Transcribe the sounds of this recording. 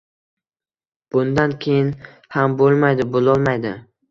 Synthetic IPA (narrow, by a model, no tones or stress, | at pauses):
b̥ʊnd̪ankʲʰejɪn | hambolˠmajd̪ɪbolˠɒlˠmajd̪ɪ